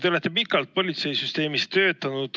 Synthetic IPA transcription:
eolet̪ːe̞pikːˑɑlt̪̚po̞lʲit̪se̞jsyst̪e̞ːmist̪ø̞ːt̪ːˑɑnud̪̥

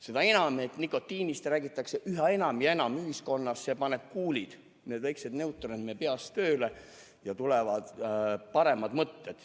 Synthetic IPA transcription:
se̞d̪̥ɑe̞nɑmet̪nikːˑo̞t̪ːˑiːnist̪ræːɡ̥it̪ːˑɑkse̞ʔyɦɑe̞nɑmjɑe̞nɑmyɦisko̞nːɑsːepɑne̞b̥̚kuːlid̪̥ | ne̞ːd̪væjksed̪ne̞wt̪ːˑoɾid̪mepeɑst̪ø̞ːle̞ | jɑt̪ulevɑd̪̥pɑɾe̞mɑd̪mɤt̪ːed̪̥

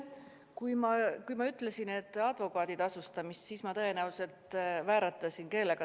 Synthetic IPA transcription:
kujmɑkujmɑyt̪ːˑlesine̞t̪ːˑɑd̪̥vo̞kˑɑːd̪̥id̪̥ɑsust̪ɑmist̪sismɑt̪ɤe̞næwse̞lt̪væːɾɑt̪ːˑɑsinke̞lːeɡ̥ɑ

